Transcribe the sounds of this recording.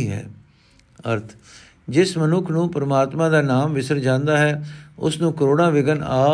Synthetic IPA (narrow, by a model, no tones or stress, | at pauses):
iːɦɛ̰ː | əɾt̪ʰ | d͡ʒɪsmənʊkʰnũːpəɾəmaːt̪mãːd̪aːnaːmʋɪsəɾd͡ʒãːnd̪aːɦɛːʊ̰snũːkəɾoːɽãːʋɪɡənaː